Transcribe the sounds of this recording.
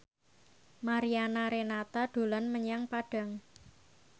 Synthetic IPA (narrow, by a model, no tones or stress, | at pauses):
maɾianaɾenat̪aɖ̪̥o̤lanməɲaŋpaɖ̥a̤ŋ